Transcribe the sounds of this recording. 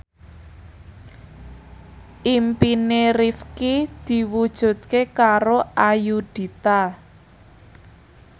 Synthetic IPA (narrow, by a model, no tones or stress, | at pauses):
ʔimpinerifkid̪̥i̤wud̥ʒ̥ṳd̪̥̚kekaɾoʔajud̪̥i̤t̪a